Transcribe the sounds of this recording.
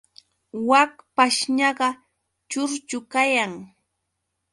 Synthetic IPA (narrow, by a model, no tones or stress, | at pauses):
wakpaʃɲɑɢɑ | t͡ʃʊɾt͡ʃʊkajaŋ